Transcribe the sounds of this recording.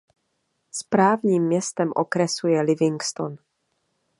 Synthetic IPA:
spɾaːvɲiːmːɲɛst̪ɛmʔokɾɛsujɛlɪvɪŋkst̪on

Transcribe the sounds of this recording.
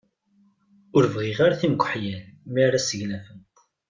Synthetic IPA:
ʊɾvʁiʁaɾaθiməɡʷəħjælmiɾasəʝnæfən

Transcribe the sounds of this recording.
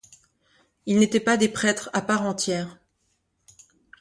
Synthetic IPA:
ilnet̪ɛpad̪epχɛt̪χapaʁɑ̃t̪jɛːʁ

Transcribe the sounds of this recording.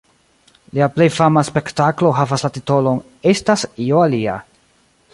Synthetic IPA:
liaple̞jfamaspe̞ktaklo̞ɦavaslatito̞lo̞n | e̞stasioalia̰

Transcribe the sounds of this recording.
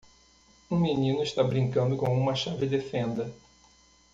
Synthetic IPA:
ũminĩnʊɪʃt̪abɾĩŋkɐ̃nd̪ʊkõũmɐʃavɪd̪efẽnd̪ɐ

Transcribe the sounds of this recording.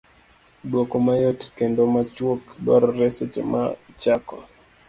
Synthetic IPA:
ɗwokɔmajotkɛndomat͡ʃwokɗwa̰ɾɔɾɛsɛt͡ʃɛ̰ma̰t͡ʃakɔ

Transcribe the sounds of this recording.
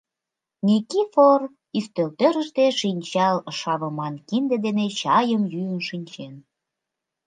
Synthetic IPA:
nʲikifor | yst̪ølt̪øɾə̆ʃt̪eʃinʲt͡ɕɑlʃɑβəmɑnkind̪ed̪enet͡ɕɑjəmjyənʃinʲt͡ɕen

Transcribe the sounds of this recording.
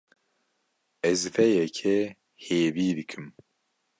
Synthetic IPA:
ɛzfɛjɛkʰɛ | heːviːd̪ɨkʰɨm

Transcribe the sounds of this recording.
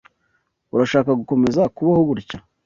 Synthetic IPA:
uɾaʃaːkaɡuko̞me̞zakuβahuɡuɾca

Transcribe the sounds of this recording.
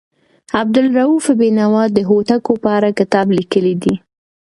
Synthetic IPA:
ab̚d̪ʊlɾaufbinawɑd̪ːəɦot̪akopəaɾakɪt̪ɑblikəlid̪i

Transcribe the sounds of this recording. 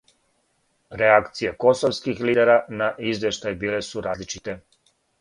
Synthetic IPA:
ɾeakt̪sijeko̞soʋskixliːd̪eɾanaʔizʋjeʃt̪ajbiːlesuɾaːzlit͡ʃit̪e

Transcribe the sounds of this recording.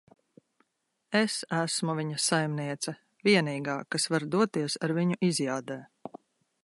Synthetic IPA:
esæsmuvʲiɲɐsajmniɛt̪sɐ | viɛniːɡaːkasvaɾd̪uɔt̪iɛsaɾviɲuʔizjaːd̪ɛː

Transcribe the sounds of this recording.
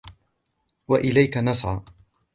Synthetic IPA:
waʔɪlajkanɑsˤʕɑ̰

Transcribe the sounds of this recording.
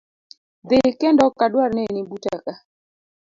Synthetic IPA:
d̪ɪkɛndɔkadwaɾnenibutaka

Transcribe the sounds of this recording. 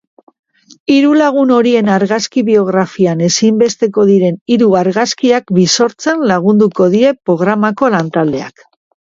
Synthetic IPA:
iɾulaɣ̞uno̞ɾie̞naɾɣaskiβio̞ɣ̞ɾafiane̞simbe̞st̪e̞ko̞ðiɾe̞niɾuaɾɣaskiakbiso̞ɾt͡senlaɣ̞und̪uko̞ðiɾe̞pɾo̞ɣ̞ɾamako̞lant̪ald̪e̞a̰k

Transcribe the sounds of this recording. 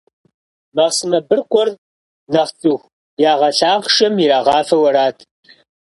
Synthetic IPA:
mɐʁsɨmɐbɨrkʷʼɔr | nɐχt͡sʼux | jaːʁɐɬaːʁʂɐmjiɾaːʁɑːfɐwɐɾaːtʰ

